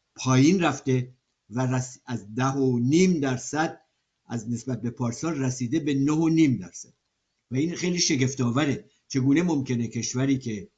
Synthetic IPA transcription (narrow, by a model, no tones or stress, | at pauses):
pʰɒːjiːnræft̪e̞ | væræsæzd̪æɦoniːmd̪æɾsæd̪̥̚ | ʔæzne̞sbæt̪̚be̞pʰɒːɾsɒːɾræsiːd̪e̞be̞nohoniːmd̪æɾsæd̪̥̚ | væiːnxejliːʃe̞ɡe̞ft̪ɒːvæɾe̞ | t͡ʃʰe̞ɡuːne̞momce̞ne̞cʰe̞ʃvæɾiːkʰe̞